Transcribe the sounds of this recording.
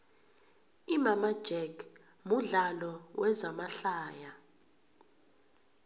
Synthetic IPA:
imamḁd͡ʒ̥ɛkʰ | muɮalɔwɛzamaɬaːja

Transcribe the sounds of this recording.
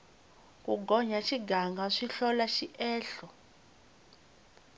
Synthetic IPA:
kʼuɡʱɔɲaʃiɡaŋɡaʂiɬɔlaʃiʔɛːɬɔ

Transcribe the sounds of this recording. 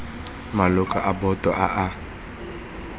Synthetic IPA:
malʊkʼaʔabɔtʼɔʔaʔa

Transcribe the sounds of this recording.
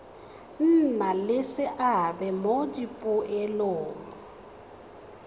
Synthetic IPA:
n̩nalɪsɪʔabɛmod͡ʒipʼʊɛloːŋɔ

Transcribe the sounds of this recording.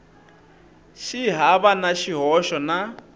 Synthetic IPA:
ʃiɦaβanaʃiɦɔʃɔna

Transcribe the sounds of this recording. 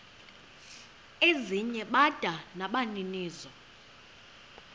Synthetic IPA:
eziɲɛɓad̥ʱanaɓaniniːzɔ

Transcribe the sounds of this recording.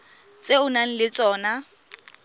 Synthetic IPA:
t͡sʼeʊnaŋ̩lɪt͡sʼɔːna

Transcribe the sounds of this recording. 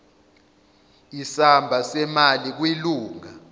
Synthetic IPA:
isambʱasɛmalik̬wiluːŋa

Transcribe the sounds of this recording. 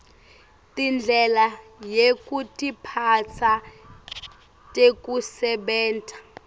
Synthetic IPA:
tʼind͡ɮʱɛlajekʼutʼipʰat͡sʰa | tʼek̬ʼusɛɓɛːntʰʼḁ

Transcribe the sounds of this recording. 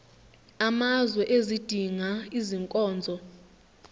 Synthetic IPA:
amazwɛʔezid̥ʱiŋaiziŋkʼɔːnd͡zʱɔ

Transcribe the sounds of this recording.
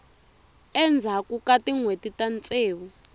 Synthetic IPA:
ɛnd͡zʱakukatiŋwetitant͡sʼeːwu

